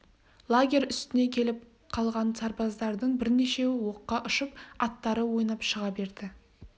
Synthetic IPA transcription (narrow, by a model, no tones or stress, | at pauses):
lˠaɡʲe̞ɾʲʏst̪ɪne̞kʲʰe̞lɪp̚ | qʰɑlˠʁɑnsɑɾpɑzd̪ɑɾd̪əɴbɪɾne̞ʃe̞wo̞qːɑʔʊʃəp̚ɑt̪ːɑɾəwo̞jnɑpʃəʁɑbe̞ɾd̪ɪ